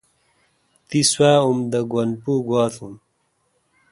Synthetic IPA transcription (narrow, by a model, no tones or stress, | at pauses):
t̪iswaːumd̪ɐɡwɐnpuɡwaːt̪ʰum